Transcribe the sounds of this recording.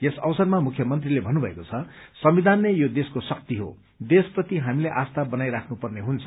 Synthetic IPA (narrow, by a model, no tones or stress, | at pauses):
jesʌwsʌrmamukʰjʌmʌnt̪rilebʱʌnubʱʌḛkot͡sʰʌsʌmid̪ʱanːejod̪eskosʌk̚t̪iɦo̰ | d̪esprʌt̪iɦamileʔast̪abʌnajɾakʰnupʌrneɦunt͡sʰʌ̥